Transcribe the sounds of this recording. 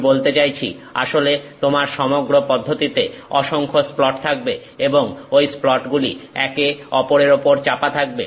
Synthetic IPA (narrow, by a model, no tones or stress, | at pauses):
bolt̪et͡ɕajt͡ɕʰḭ | a̰ʃolet̪omaɾʃɔmoɡɾopɔd̪ʱːot̪it̪eɔʃoŋkʰosplɔʈt̪ʰak̚be | eboŋojsplɔʈɡulḭɛkeɔpoɾeɾopoɾt͡ɕapat̪ʰak̚be